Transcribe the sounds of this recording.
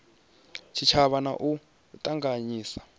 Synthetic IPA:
t͡ʃʰit͡ʃʰaβana̰ʔu | tʼaŋɡaɲiːsḁ

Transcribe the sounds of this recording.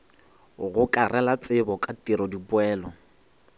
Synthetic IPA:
ɣʊkʼarʔɛlat͡sʼɪbɔkʼatʼiɾɔdipʊɛːlɔ

